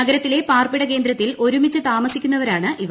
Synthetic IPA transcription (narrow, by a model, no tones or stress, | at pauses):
ɐɡɐɾɐt̪ːile̞paːrpiɽɐk̬e̞ːnd̪ɾɐt̪ːilo̞ɾumit͡ɕːɨt̪aːmɐsikʲːunːɐʋɐɾaːɳɨʔiʋ